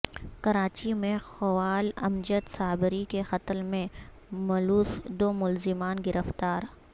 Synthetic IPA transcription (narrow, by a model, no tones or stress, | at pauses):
kɐɾaːt͡ʃimẽxʊwaːlɐ̰md͡ʒət̪saːbɪɾikexɐt̪əlmẽ | mɐluːsd̪oːmʊlzɪmaːnɡɪɾəft̪aːɾ